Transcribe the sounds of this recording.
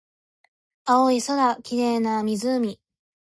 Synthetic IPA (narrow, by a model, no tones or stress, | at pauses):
aoisod̪akʲiɾe̞ːnamʲizɨmʲi